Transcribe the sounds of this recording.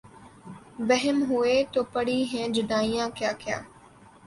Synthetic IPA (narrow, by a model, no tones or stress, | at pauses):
ʋəɦɛmɦʊeːt̪oːpəɽiːɦɛ̃ːd͡ʒʊd̪aːijãːkjaːkɪja̰ː